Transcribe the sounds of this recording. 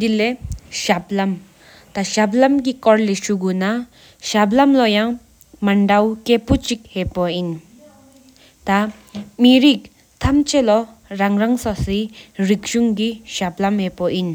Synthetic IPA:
d̪ileɕap̚lam | t̪aɕap̚lamk̬ikɔɹleɕuɡuna | ɕaplamlɔjaŋ | maɳdawkepot͡ɕik̚hepɔjin | t̪a | miɹik̚ | t̪ʰamt͡ɕʰelɔ | raŋraŋsasirik̚ɕuŋkiɕap̚lamheʔpɔʔin

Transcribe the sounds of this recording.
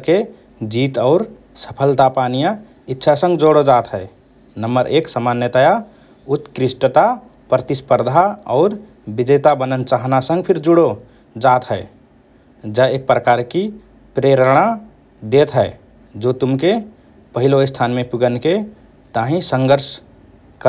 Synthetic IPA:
ke | d͡ʒit̪ɔʊɾ | sə̥pʰəlt̪apanijã | itːʃʰasə̃ŋɡd͡ʒoɽod͡ʒat̪ɦəe | nəmbəɾʔeksəmanjət̪aja | ut̪kɾisʈt̪a | pɾət̪ispəɾd̪ʱaɔ̰ːɾ | bid͡ʒet̪abənənt͡ʃaɦnasə̃ŋɡpʰiɾd͡ʒuɽo | d͡ʒat̪ɦɛe | d͡ʒaeːk̚pɾəkaɾki | pɾeɾɽ̃a | d̪et̪ɦɛe | d͡ʒot̪umke | pəɦiloɪst̪ʰanmẽpuɡənke | t̪aɦĩsə̃ŋɡəɾs | kə

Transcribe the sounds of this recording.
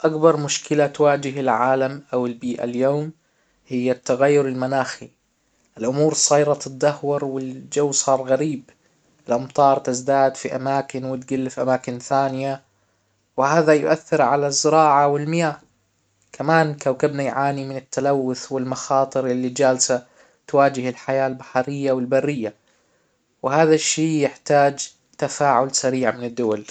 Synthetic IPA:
ʔakbɑɾˤmʊʃkɪlat̪waːd͡ʒɪɦɪlʕaːlamʔawɪlbiːʔa̰ljoːm | hɪjːat̪ːaɣajːʊɾɪlmanaːxi | ʔɪlʔʊmuːɾsˤɑjɾˤɑt̪ɪd̪ːahwɑɾˤwɪld͡ʒawːsˤɑːɾˤɣaɾiːb | ʔɪlʔɑmt̪ˤɑːɾˤt̪ɪzd̪aːd̪fiʔamaːkɪnwɪt̪ɡɪlːfʔamaːkɪnθaːnɪja | wɪhaːðajʊ̰ʔaθːɪɾʕalazːɪɾɑːʕawɪlmɪjaː | kʰamaːnkawkabnajʕaːnimɪnɪt̪ʰːalawːʊθwɪlmɑxɑːt̪ˤɨɾʔɪlːid͡ʒaːlsa | t̪waːd͡ʒɪhɪlħajaːlbaħɑɾɪjːawɪlbarːɪjːa | wɪhaːðaʃːiːjɪħt̪aːd͡ʒ | t̪afaːʕʊlsaɾiːʕmɪnɪd̪ːʊwal

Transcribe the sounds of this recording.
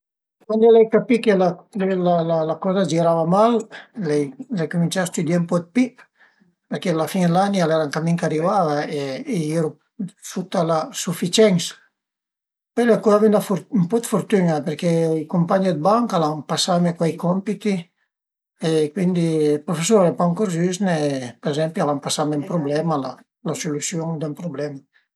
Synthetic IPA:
kwand̪ilɛjkapikelakelalalakɔzad͡ʒiɾavamallɛjlɛjkumint͡ʃast̪ud̪jampɔd̪̚pip | peɾkealafind̪lanialɛɾaŋkamiŋkarivavaeːeɾu | fut̪ːalasufit͡ʃɛŋs | pɔleakɔavinlafuɾmpɔd̪fuɾt̪yɲapeɾkejkumpaɲid̪̚baŋkalaŋpasamekwajkɔmpit̪i | ekwind̪ipɾufesɔɾepaŋkuɾzysnepɾezɛmpialampasamɛmpɾublɛmala | lasulysjuŋd̪empɾublɛma

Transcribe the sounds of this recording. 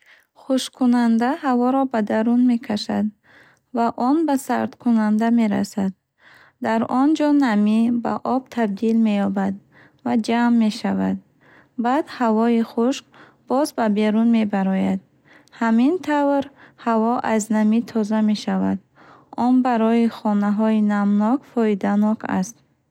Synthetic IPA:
χuʃkʰunand̪ahavɔɾɔbad̪aɾunme̞kʰaʃad̪ | vaʔɔnbasa̰ɾd̪kʰunand̪ame̞ɾa̰sad̪̚ | d̪aɾɔnd͡ʒɔnamiba̰ʔɔb̚t̪ʰabd̪ilme̞jɔbad̪ | vad͡ʒamːe̞ʃavad̪̚ | bad̪havɔiχuʃq | b̥ɔzbabe̞ɾunme̞baɾɔjad̪̚ | hamint̪ʰavɾhavɔʔaznamit̪ʰɔzame̞ʃava̰d̪ | ɔnbaɾɔiχɔnaɦɔinamnɔkfɔid̪anɔkʰa̰st̪

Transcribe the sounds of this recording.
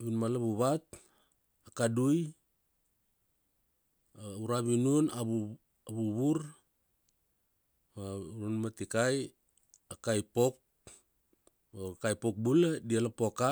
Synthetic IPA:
βinmalaβuβat̚ | akaduj | uɾaβinunaβu | aβuβuɾ | maɾunmatikaj | akajpok̚ | okajpok̚buladialapoka

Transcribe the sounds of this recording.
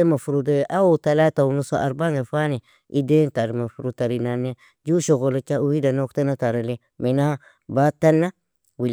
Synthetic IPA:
emafuɾudeʔawotalatawunosoʔaɾbaŋefane | identaɾmafuɾutaɾinane | d͡ʒuʃoɡolot͡ʃauhidanoktanataɾale | mina | batanːa | wil

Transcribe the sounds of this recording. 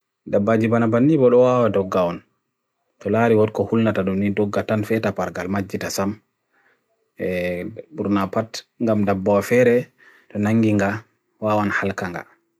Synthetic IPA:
dabːad͡ʒibanabanːibɔɗɔwawadɔɡːawɔn | tɔlaːɾiwɔtkɔhulnataɗumnidɔɡːatanfɛtapaɾɡalmad͡ʒːitasam | ɛbuɾnapatŋɡamdabːawafɛɾɛ | tɔnaŋɡiŋɡa | waːwanhalkaŋɡa̰

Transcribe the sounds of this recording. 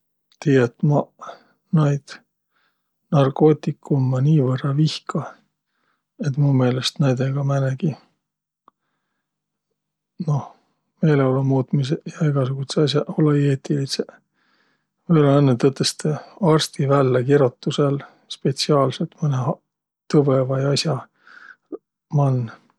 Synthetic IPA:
t̪iːjet̪ːmɑ | nɑjd̪̥ | nɑrko̞ːt̪ˑikːumːɑniːvɤrːɑvihkʰɑ | e̞t̪ːˑmume̞ːlest̪næjd̪̥eɡ̥ɑmæneɡ̥i | no̞h | me̞jleolumuːt̪mis̬ejɑeɡ̥ɑsuɡ̥ut̪seɑsʲjɑolejeːt̪ilise | verɑenːet̪ɤt̪ːˑest̪eɑrst̪ivælːekiɾot̪ːusel | spe̞t̪siɑːlset̪mɤne | t̪ɤvevɑjɑsjɑ | mɑnː

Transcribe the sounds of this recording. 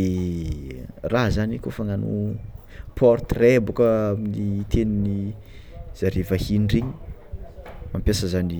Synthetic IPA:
raɦzanikofaŋanṵ | pʰɔrt̪rebukəaminit̪ʰenini | z̥aɾivahinɖ͡ʐeɲi̥ | mampjasəzani

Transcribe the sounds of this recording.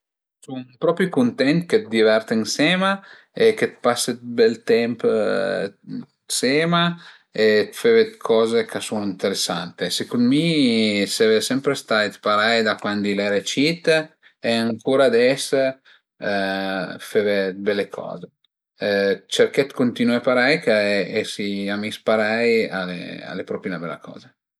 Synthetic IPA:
sunpɾɔpɾikunt̪ɛnt̪ket̪̚d̪ivɛɾt̪insɛːma | eket̪pasːet̪̚bɛlt̪ɛmp | seːma | et̪fevet̪kʰɔːzekasunint̪eɾesːa̰nt̪esekund̪misɛvesɛmpɾest̪ajt̪paɾajd̪akwand̪ilɛɾet͡ʃit̪ | eaŋkuːɾad̪ɛs | fevebɛlːekʰɔ̰ːze | t͡ʃerkɛt̪kont̪inuapaɾajkaesiamispaɾajalḛa̰lepɾɔpienabɛlːa̰kɔ̰ːza

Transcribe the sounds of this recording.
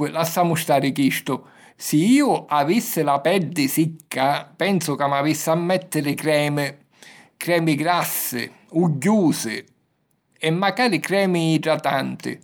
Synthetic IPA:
ɪlasːaːmʊst̪aːɾɪkiʃt̪ʊ | sɪiːʊʔavisːɪlapɛɾd̪ɪsikʰːapɛnsʊkamːavisːamːɛt̪ːɪɾɪkɾɛːmɪ | kɾɛːmɪɡɾasːɪ̰ | uɟːuːsɪ̰ | ɛmːakaːɾɪkɾɛːmɪːdɾat̪ant̪ɪ̰

